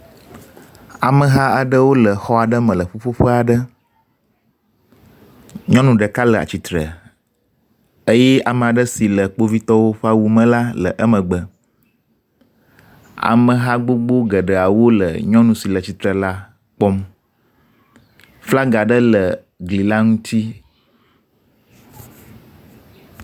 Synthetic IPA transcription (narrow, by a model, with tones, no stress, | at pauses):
a˨mə̃˨ɦa˦a˨ɖə˦wo˦lə˨xɔ˦a˨ɖə˦mə̃˨lə˨ɸo˦ɸo˦ɸə˦a˨ɖə˦ | ɲɔ̃˦nũ˨ɖə˨ka˦lə˨a̰˨t͡ɕi˨t̪ɾə̰˨ | ə˦jɛ˦a˨mə˨a˨ɖə˦si˨lə˨k͡po˦vi˦t̪ɔ˦wo˦ɸə˦a˦wu˨mə̃˦la˦lə̰˨ʔə˦mə̃˨ɡ͡bə˨ | a̰˨mə̃˨ɦa˦ɡ͡bo˦ɡ͡bo˦ɡə˨ɖə˨a˨wo˦lə̰˨ɲɔ̃˦nũ˨si˨lə˨t͡ɕi˨t̪ɾə˨la˦ | k͡pɔ˦m | fla˦ɡa˨ɖə˦lə˨ | ɡli˨la˦ŋũ˦t̪i˦